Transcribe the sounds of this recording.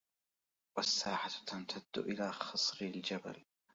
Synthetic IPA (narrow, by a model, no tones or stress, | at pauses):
wasːaːħat̪ant̪ʰad̪̥ːʊʔɪlaːxɑsˤɾɪld͡ʒaba̰l